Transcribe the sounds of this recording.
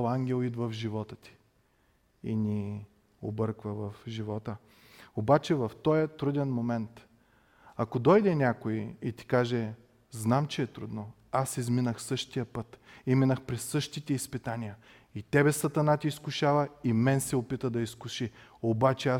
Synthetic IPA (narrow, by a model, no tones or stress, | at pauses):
lˠaŋɡʲɛlˠid̪vəvʒivɔt̪ət̪i̥ | ḭnʲi | obɤɾkvəvɐfʒivɔt̪ə | obat͡ʃɛvɐft̪ɔjət̪ɾud̪ɛnmomɛnt̪ | ɐkod̪ɔjd̪ɛnʲakoiit̪i̥kaʒɛ | znamt͡ʃɛːt̪ɾud̪no | asizminəxsɤʃt̪ijəpɤt̪imɛnəxpɾɛsːɤʃt̪it̪ɛispit̪anijə | it̪ɛbɛsɐt̪ɐnat̪iːskʊʃavɐimɛnsɛopit̪əd̪ɐiskʊʃiobat͡ʃɛa